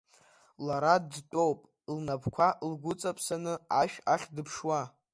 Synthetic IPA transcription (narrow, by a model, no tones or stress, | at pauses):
laɾaddtʼowpʼ | lnapʰkʷʰaʔlɡʷʊt͡sʼapʰʼsanɨaʃᶣaχʲdɨpʰʂwa